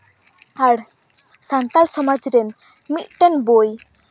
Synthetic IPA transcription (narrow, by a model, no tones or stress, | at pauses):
aɽ | sant̪alsɔmad͡ʒɾɛn | mit̪̚ʈɛnboj